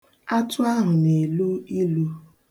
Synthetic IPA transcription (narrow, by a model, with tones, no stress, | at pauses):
a˦tʊ˦a˦ɦʊ˨ne˨lu˦i˦lu˦